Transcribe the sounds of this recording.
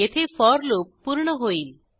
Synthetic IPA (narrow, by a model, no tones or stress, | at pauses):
et̪ʰefɔɾlop̚ːuɾɳ̃oɦojl